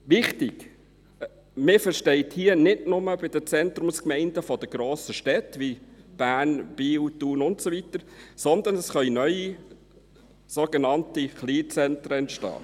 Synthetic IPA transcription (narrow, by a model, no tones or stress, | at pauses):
ʋɪχtɪɡ̥ | mɪfəɾʃtɛɪthiːənɪdnʊməbɪd̥̪ət͡sɛnt̪rʊmskmɛɪndəfɔd̥əɡ̥ɾoːsəʃtɛtʋib̥æːnb̥iːwtuːnʊntsoʋit̪əɾsɔnd̪ənɛsχœʏnœʏi | soɡ̥enɑntiχliːt͡sɛntɾəɛntʃtɑ̰ː